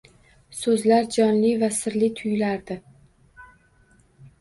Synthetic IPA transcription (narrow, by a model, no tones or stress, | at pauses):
sɵzlaɾd͡ʒɒnlɪvasɪɾlɪt̪ʰʊjlaɾd̪ɪ